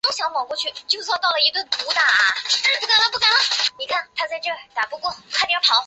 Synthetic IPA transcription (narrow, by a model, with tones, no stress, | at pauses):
t̪o˥ʊɕjɑ˧˥ŋmɑ˨˩ʊkwɔ˥˧t͡ɕʰy˥˩t͡ɕjo˥˧˥t̪ɑ˥˩ʊlə˩i˧˥t̪wə˥˩npu˧˥t̪a˨˩pu˥˩ka˨˩nlə˧˥p̬u˥˩ka˨˩nlə˧˩ni˨˩kʰa˥˩nt̪ʰa˥t͡sa˥˧ɪʈ͡ʂɤ˥˩li˨˩t̪a˨˩pu˧˥kwɔ˥˩kʰa˥˧t̪jpʰɑ˧˥ʊ